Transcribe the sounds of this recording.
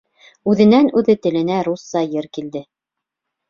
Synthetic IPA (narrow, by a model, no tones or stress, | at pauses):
ʉðɘ̆nænʉðɘt̪ɘ̆lɘ̆næɾusːɑjɘɾkild̪ɘ